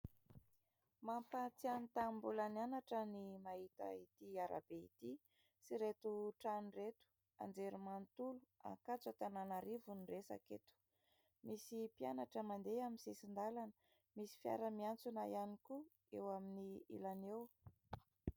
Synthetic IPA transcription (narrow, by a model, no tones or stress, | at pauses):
mampat͡sianit̪ambulanianaʈ͡ʂənimaɦit̪a̰it̪iaɾʔa̰b̥eḭt̪i | siɾet̪uʈ͡ʂaniret̪u̥ | a̰nd͡zeɾumant̪ulua̰ŋkat͡sat̪ananaɾivuniresa̰ket̪u̥ | misipianaʈ͡ʂəmand̪eaminsesind̪alanə̥ | misi̥fja̰ɾəmiant͡sunajaniku | ewaminiḭlanew